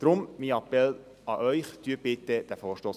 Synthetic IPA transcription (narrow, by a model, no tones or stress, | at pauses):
d̥ɾʊmmiːɑpɛl | ɑʔœʏχt̪yəb̥ɪt̪əd̪̥æfɔːɾʃtoːs